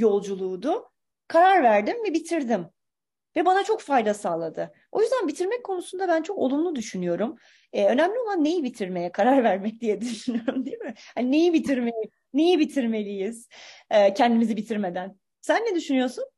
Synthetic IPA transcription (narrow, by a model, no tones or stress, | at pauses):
jo̞lˠd͡ʒulˠuːd̪ʊ | kʰaɾaɾvæɾd̪imvɛbit̪ʰiɾd̪im | vɛbanat͡ʃʰo̞kfajd̪asaːlˠad̪ɯ | o̞jyzd̪ænbit̪ʰiɾmɛc̚kʰo̞nusund̪abænt͡ʃʰo̞ko̞lˠumlˠud̪yʃynyjo̞ɾum | ɛø̞næmlʲio̞lˠanːe̞jibit̪ʰiɾme̞jɛkʰaɾaɾvæɾmɛc̚d̪ijɛd̪yʃynyjoɾumd̪imɪhanine̞jibit̪ʰiɾmelʲi | ne̞jibit̪ʰiɾme̞lʲijiz̥ɛcʰɛnd̪imizibit̪ʰiɾme̞d̪æn | sænːɛd̪yʃynyjo̞sun